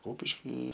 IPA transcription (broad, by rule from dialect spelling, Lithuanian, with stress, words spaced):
ˈkʊpʲɪʃʲkʲɪ